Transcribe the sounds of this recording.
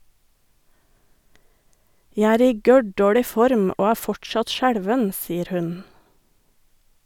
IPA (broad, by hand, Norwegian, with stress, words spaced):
ˈjæ ˈæːɾ ˈiː ˈɡœˌɖoːɽɪ ˈfɔɾm ˈoː ˈæː ˈfɔʈˌʃɑt ˈʃæɽʋən ˈsiːəɾ ˈhʉn